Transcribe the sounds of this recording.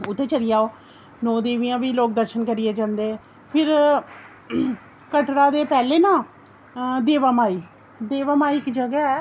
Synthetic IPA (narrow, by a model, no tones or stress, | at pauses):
ʊt̪ʰːẽːt͡ʃəɽɪjaːoː | nɔːd̪eːʋiːãːʋiːloːk̚d̪əɾʃənkəɾɪeːd͡ʒãːnd̪eː | pʰɪɾ | kəʈɾaːd̪eːpɛːleːnãː | d̪eːʋaːmaːiː | d̪eːʋaːmaːiɪkd͡ʒəɡɛːɛː